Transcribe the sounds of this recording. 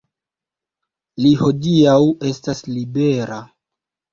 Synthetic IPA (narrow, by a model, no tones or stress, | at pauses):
liho̞diawe̞staslibe̞ɾa